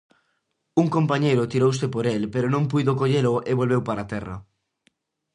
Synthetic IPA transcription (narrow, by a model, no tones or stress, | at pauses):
uŋkompaɲejɾʊt̪iɾowsɪpoɾelpeɾonõŋpujðokoʎeɾʊʔeβolβewpaɾat̪ɛrɐ̰